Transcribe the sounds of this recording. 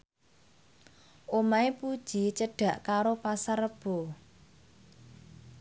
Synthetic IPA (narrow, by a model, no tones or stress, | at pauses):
ʔomaepud̥ʒ̥i̤t͡ʃəɖ̥ä̤ʔkaɾopasarəb̥o̤